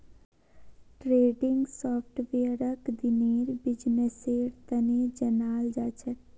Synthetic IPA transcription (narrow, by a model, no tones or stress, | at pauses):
ʈɾeːɖɪŋɡsɔːpʰʈʋeːɾəkd̪ɪneːɾbɪd͡ʒneseːɾt̪ɐned͡ʒɐnaːld͡ʒaːt͡ʃʰə